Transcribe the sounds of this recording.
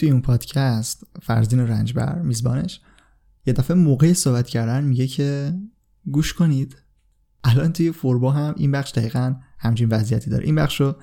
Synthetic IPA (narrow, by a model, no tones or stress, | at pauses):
t̪ʰujeunpʰɒːd̪̥cʰæst̪fæ̰ɾziːneɾænd͡ʒbæ̰ɾmiːzbɒ̰ːne̞ʃ | jed̪æfemoːɣejesoːbæt̪ʰcʰæɾd̪ænmiɟe̞cʰe | ɡuːʃkʰo̞nid̪̥ | ʔælɒːnt̪ʰujefoɾbɒːɦæmʔḭnbæχʃd̪æɣiːɣænhæmt͡ʃʰinvæzijæ̰t̪ʰid̪ɒ̰ːɾḛʔinbæχʃo